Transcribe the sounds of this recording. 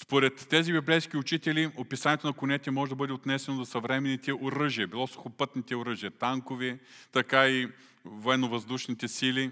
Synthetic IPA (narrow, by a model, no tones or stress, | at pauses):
spoɾɛt̪ːɛzibiblɛjsk̟iʊt͡ʃit̪ɛliopisanʲiɛt̪onɐkʊnɛt̪ɛmɔʒɛd̪ɐbɤd̪ɛot̪nɛsɛnozɐsɐvɾɛmɛnːit̪ɛʔoɾɤʒiɐbilˠɔso̥xopɤt̪nit̪ɛoɾɤʒiɐt̪aŋkovɛt̪ɐkai | voɛnovɐzd̪uʃnit̪ɛsili